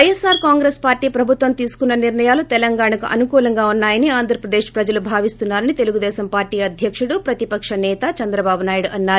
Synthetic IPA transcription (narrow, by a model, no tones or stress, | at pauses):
ɐjɐsːaːɾkaːŋɡɾeːspaːɾʈiːpɾɐbʱut̪ʋɐmt̪iːsu̥kunːɐniɾɳɐjaːlut̪ɛlɐŋɡaːɳɐkuʔɐ̰nukuːlɐŋɡaːunːaːjɐniaːnd̪ʱɾɐpɾɐd̪eːʂpɾɐd͡ʒɐlubʱaːʋist̪unːaːɾɐnit̪e̞luɡud̪ɛːsɐmpaːɾʈiːɐd̪ʱjɐkʂuɽupɾɐt̪ipɐkʂɐnɛːt̪ɐt͡ʃɐnd̪ɾɐbaːbunaːjiɽʔɐnːaː